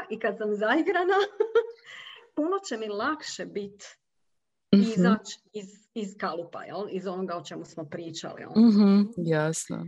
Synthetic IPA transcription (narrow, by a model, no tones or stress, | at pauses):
ikad̪samzaiɡɾana | puno̞t͡ɕe̞milˠakʃe̞bit̪ | izat͡ʃiz | izkalˠupa̰jḛlizo̞noɡaot͡ʃe̞musmopɾiːt͡ʃa̰lḭjḛlɦ̩jasno̰